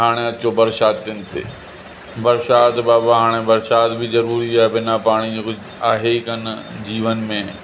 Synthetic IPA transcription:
ɦaːɽ̃eɐt͡ʃobɐɾʃaːt̪ːɪnt̪ḛː | bɐɾʃaːt̪baːbaɦaːɽ̃ebɐɾʃaːt̪bʱizɐɾuːɾiaːɛbɪnapaːɽ̃iok | aːɦekɐnd͡ʑiːʋənmẽ

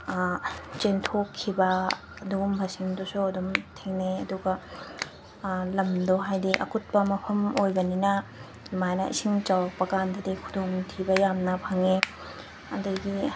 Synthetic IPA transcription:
t͡ʃentʰokʰːibɐː | duɡumbʱasiŋdusuɐdumtʰeŋneɐduɡɐ | lɐmdoɦajdiʔɐ̰kut̚pɐmɐpʰɐmojɡɐninɐ | majnɐ̰ʔḭsiŋt͡ʃawpɐkandɐdikʰudoŋtʰibɐjamnɐpʰɐŋe | ɐ̰dɐɡi

